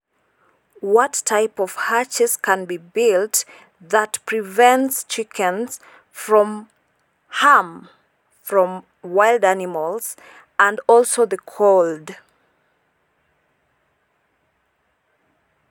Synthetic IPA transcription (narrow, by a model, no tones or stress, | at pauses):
wʌtʰaɪpʌv̥hat͡ʃɨz̥kʰə̃nbibɪlˠt | ðətpʰɹ̥ivɛ̃ntst͡ʃɪkʰɨ̃nz̥ | fɹɔ̃m | ham | fɹɔ̃m | waɪlˠdænɪməlˠz̥ | ə̃ndɔlˠsoʊðɨkʰolˠd